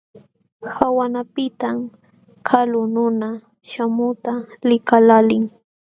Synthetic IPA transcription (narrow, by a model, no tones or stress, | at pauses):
hawanapɪt̪am | kʰalʊnʊna | ʃamʊt̪alɪkalalɪŋ